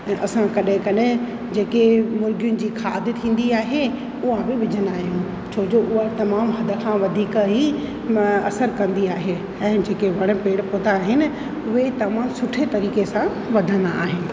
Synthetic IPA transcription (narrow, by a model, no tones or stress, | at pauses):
ɛ̃ːʔɐsãkɐɗɦɪ̃kɐɗɪ | d͡ʑeːkemʊɾɡʱijʊnɪ̆d͡ʑiːxʰaːd̪ɪt̪ʰĩːn̆d̪iaːɦe | ʊɦãbɪʋɪd͡ʑʱənd̪aːɦijũ | t͡ɕʰoːd͡ʑoːʔʊɦat̪ɐmaːmɦɐd̪ʱə̆kʰãʋɐd̪ʱiːkɦi | ɐ̰səɾkɐ̃nd̪iaːɦe | ɛ̃ːd͡ʑeːkeʋɐɽ̃̆peːɽpõːnd̪aːɦɪnɪ̆ | ʊɦet̪ɐmãːmsʊʈʰet̪ɐɾiːkesã | ʋɐd̪ʱə̃nd̪a̰ːɦɪnɪ̆